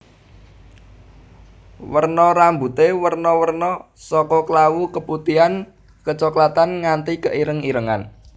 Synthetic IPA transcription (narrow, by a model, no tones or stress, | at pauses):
wərnɔɾambut̪ewərnɔwərnɔ | sɔkɔkəlawukəput̪ian | kət͡ʃɔklat̪anŋant̪ikəʔiɾəŋiɾəŋa̰n